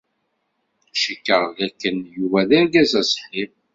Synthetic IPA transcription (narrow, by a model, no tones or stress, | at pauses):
ʃəkːəʁðækːənjuvæðæɾɡæzæsħim